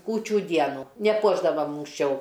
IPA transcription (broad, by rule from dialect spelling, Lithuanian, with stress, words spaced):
ˈkuːt͡ʃʲuː ˈdʲiɛnuː nʲɛˈpuɔʒdɐʋɐm ʊŋksʲˈt͡ʃʲɛʊ